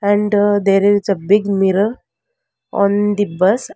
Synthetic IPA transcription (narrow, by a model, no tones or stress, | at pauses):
ɛ̃ɳɖd̪eɾid͡zəbiɡmiɾəl | ɔ̰̃nd̪ibəs